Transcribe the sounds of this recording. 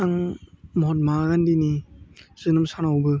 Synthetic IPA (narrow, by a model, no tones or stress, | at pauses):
aŋmɔɦɔt̬̚maɡandiniz̥ɯnɯmsanawbɯ